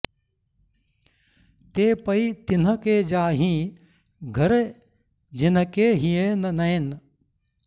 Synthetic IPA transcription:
t̪eːpɐit̪ɪnəkeːd͡ʒaːɦĩː | ɡʱɐɾ | d͡ʒɪnkeɦijennɐen

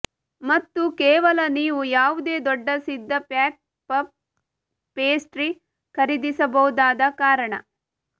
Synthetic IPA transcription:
mɐt̪ːukɛːʋɐlɐniːʋujaːʋud̪e̞ːd̪ɔɖːɐsid̪ːɐpaːk̚ | pɐ | peːsʈɾi | kʰɐɾid̪isɐbɐwud̪aːd̪ɐkaːɾɐɳɐ̰

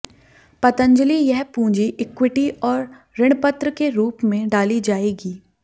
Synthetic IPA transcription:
pɐt̪ə̃ɲd͡ʒəlijɐɦpũːd͡ʒiʔɪkwɪʈiɔːɾː | ɪɽ̃pət̪ɾəkeɾuːpmẽɖaːlid͡ʒaːeːɡiː

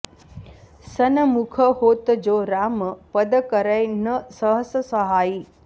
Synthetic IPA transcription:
sənəmukʰəhoːt̪d͡ʒoːɾaːməpəd̪əkəɾəjnəsəɦəsəsəɦaːi

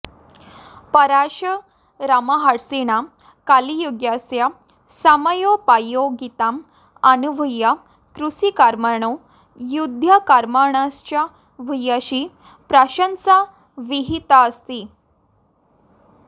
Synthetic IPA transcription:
pəɾaɕə | ɾamaɦaɽseɳa | kalijoɡjasja | saməjopajoɡit̪am | ənuʋʱəjːa | kɾusikaɾmaɳ̃o | jud̪ʱjakaɾmaɳast͡ɕja | ʋʱəjaɕiː | pɾaɕənsa | ʋiɦit̪aəst̪i

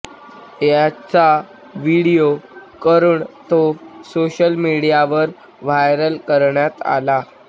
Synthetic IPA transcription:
jat͡sa | ʋiɽijokəɾuːɳt̪osoɕəlmiɽijaʋəɾ | ʋajɾəlkəɾɳjat̪a̰la

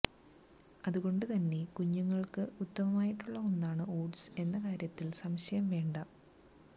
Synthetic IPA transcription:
ɐðuɣo̞ɳɖɨt̪ɐnːe̞kuɲːuŋːɐɭkɨut̪ːɐmɐmaːjiʈːuɭːɐonːaːɳɨo̞ːɖse̞nːɐkaːɾjɐt̪ːilsɐmɕɐjɐmʋe̞ːɳɖɐ

